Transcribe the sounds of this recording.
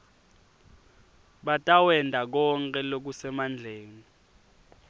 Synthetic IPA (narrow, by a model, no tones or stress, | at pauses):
ɓatʼawɛndʱak̬ɔŋkʼɛlok̬usɛmand͡ɮʱeːŋi